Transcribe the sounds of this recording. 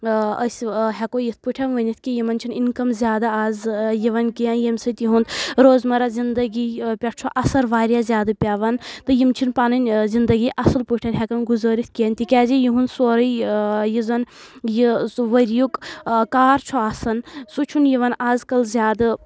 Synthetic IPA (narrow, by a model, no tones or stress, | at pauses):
ə̰sʲɦɛkojit̪̚ʰpɨʈʰɐnʋənit̪̚ʰkijimɐnt͡ʃʰininkɐmzʲjaːd̪aaːzjiʋɐnkijanjɐmsɨt̪jiɦund̪ɾoːzmɐɾazind̪ɐɡipʲɐʈ̚t͡ʃʰoʔɐsɐɾʋaːɾʲjazʲjaːd̪ɨpʲaʋɐnt̪ɨjimt͡ʃʰinpaːnɨnʲzind̪ɐɡiʔɐsɨlpɨʈʰɐnɦʲɛkɐnɡuzəːɾit̪ʰkiɐnʲt̪ikʲɛːzijiɦund̪soːɾəjjizɐnjiʋəɾjukkaːɾt͡ʃʰuaːsɐnsut͡ʃʰunjiʋɐnaːzkɐlzʲjaːd̪ɨ